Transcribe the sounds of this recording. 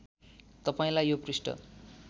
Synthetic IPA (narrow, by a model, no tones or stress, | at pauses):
t̪ʌpaĩlajjoprisʈʌ̰